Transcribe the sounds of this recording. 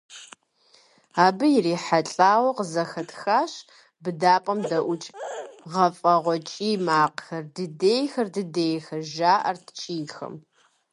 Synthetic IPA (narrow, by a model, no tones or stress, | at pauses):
aːbɨjɪriːħaɬʼaːwɐqəzɐxɐtʰxaːɕ | bɨdaːpʼɐmdɐʔʷʊt͡ʃʼʁɐfʼɐʁʷɔt͡ʃʼiːmaːqxɐrdɨdeːjxɐrdɨdeːjxɐʒaːʔɐrtʰt͡ʃʼiːxɐ̰m